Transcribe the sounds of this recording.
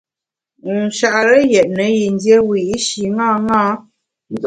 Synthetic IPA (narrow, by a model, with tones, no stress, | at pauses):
n̩˨ʃa˨ʔɾə˦jɛ˨ʔ̚nə˨˦ji˨n˦dje˦wi˨i˦ʃi˨ŋa˦˨ŋa˦ | n̩˦